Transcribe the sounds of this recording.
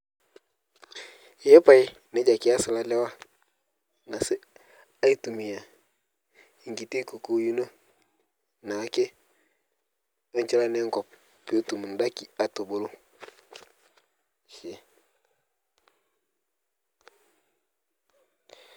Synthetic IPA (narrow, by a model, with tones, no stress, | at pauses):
je˦pa˨i˦ | ne˦d͡ʒa˨ki˦a˦sɪ˨la˦lɛ˦wa˦ | na˨sɪ˦ | a˦i˦tu˨mi˨ja˨ | i˨ŋɡi˨ti˦ku˨ku˦ju˦no˦ | na˨˦ke˦ | o˦ɲ˦t͡ʃɛ˦la˦ne˦ŋkɔ˨p̚ː | o˦tu˨mu˨n˨da˦ki˨a˦to˨bo˦lo˦ | ʃe˨